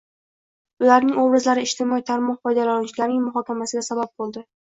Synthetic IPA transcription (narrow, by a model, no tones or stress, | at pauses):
ʊlaɾnɪŋobɾɪzlaɾɪɪʃt̪ɪmɒit̪ʰaɾmɒɴfɒjd̪alant͡ʃʰɪlaɾnɪŋmʊɦɒkʲamasɪɡʲasabap̚bolˠd̪ɪ